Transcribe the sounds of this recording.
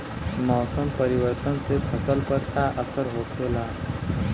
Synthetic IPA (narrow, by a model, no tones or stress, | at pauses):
mɔːsəmpəɾiʋəɾt̪ənsepʰəsəlpəɾt̪aʔəsəɾɦoːt̪ʰela